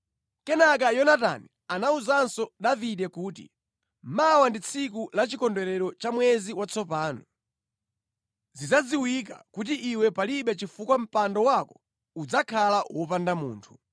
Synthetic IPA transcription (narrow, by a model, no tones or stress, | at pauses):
kɛnak̬ajɔnata̰ni | anauzansɔɗaviɗɛkuːtḭ | mawandit͡sʰikulat͡ʃikɔndɛɾɛɾɔt͡ʃamwɛziwat͡sʰɔpaːnɔ | zizad͡ziwik̬a̰kut̬iʔːwɛpaliɓɛt͡ʃifukwam̩pandɔwakɔ | ud͡zakʰalawɔpandamṵːntʰu̥